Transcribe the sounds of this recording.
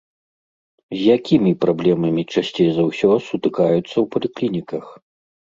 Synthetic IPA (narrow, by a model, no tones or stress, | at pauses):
zʲjakʲimʲipɾablʲɛmɐmʲit͡ʂasʲt͡sʲejzɐwsʲɔsut̪ɨkajut̪sːɐwpɐlʲiklʲinʲikɐx